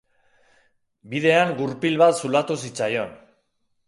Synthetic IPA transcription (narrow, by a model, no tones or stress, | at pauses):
bið̞e̞aŋɡuɾpilβat̪sulat̪usit͡sajo̞n